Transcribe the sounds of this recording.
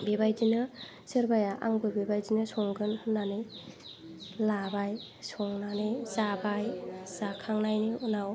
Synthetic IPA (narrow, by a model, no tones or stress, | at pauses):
bebajzinɯ | sɯɾbajaʔa̰ŋbɯbebajzinɯsɔŋɡɯnːanɯj | labaj | sɔŋnanɯzabajzakʰaŋnajniunaw